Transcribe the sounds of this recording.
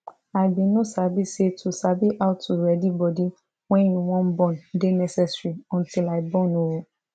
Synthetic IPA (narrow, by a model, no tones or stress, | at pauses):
abĩnõsabisetʰusabiʔaʊtuɾɛdibɔdi | wɛ̃jĩw̃ɔ̃n̩bɔ̃ndenɛsɛsɾiɔ̃ntilaibɔ̃nowo